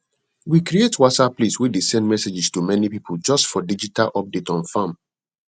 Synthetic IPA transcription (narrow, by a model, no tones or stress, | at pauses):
wikɹietwɔtsapliswidesɛ̃ndmɛsed͡ʒɪstumɛnipipʰold͡ʒʌstfɔdid͡ʒitalʔɔp̚detɔ̃nfãm